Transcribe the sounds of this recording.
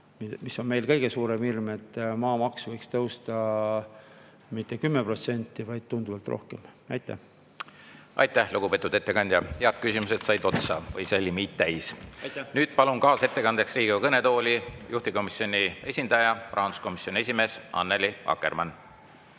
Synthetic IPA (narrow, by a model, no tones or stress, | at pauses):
mimisːo̞nme̞jlkɤjɡ̥e̞suːɾe̞mirme̞t̪ːˑmɑːmɑksvɤjkst̪ɤwst̪ɑ | mit̪ːe̞kymːepro̞t̪se̞nʲt̪ˑːivɑjd̪̥̚t̪und̪uvɑlt̪ro̞̰hkemɑjt̪ːˑæ̰h | ʔɑ̰jt̪ːˑæhluɡ̥ub̥et̪ːˑud̪e̞t̪ːe̞kɑnʲd̪jɑheɑt̪̚kysʲimuset̪sɑjd̪o̞t̪sɑ̰vɤjselʲːimiːt̪t̪æjsnyːd̪̥pɑlunkɑːse̞t̪ːe̞kɑnd̪eksriːɡiɑkɤne̞t̪o̞ːlʲijuht̪iko̞misjo̞nie̞sʲind̪ɑjɑprʔɑːnsko̞misjo̞nʲie̞s̬ʲime̞ːsɑ̰nːeliɑ̰kːˑe̞̰rmɑn